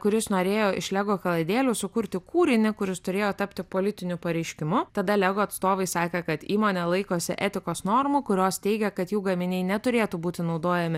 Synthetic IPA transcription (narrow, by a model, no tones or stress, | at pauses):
kʊɾʲɪsnoːɾʲeːjoːʔɪ̰ʃlʲæɡoːkɐlˠɐɪd̪ʲeːlʲuːsʊkʊɾʲt̪ʲɪkuːɾʲɪnʲɪkʊɾʲɪst̪ʊɾʲeːjoːt̪ɐpʲt̪ʲɪpoːlʲɪt̪ʲɪnʲʊpɐɾʲɛɪʃʲkʲɪmʊt̪ɐd̪ɐlʲɛɡoːɐt̪st̪oːʋɐɪsɑːkʲɛkɐt̪iːmoːnʲɛlˠɐɪkoːsʲɪ̰ʔɛt̪ʲɪkoːsnoːɾmuːkʊɾʲoːst̪ʲɛɪɡʲɛkɐt̪juːɡɐmʲɪnʲɛɪnʲɛt̪ʊɾʲeːt̪uːbuːt̪ʲɪnɒʊd̪oːjɛmʲɪ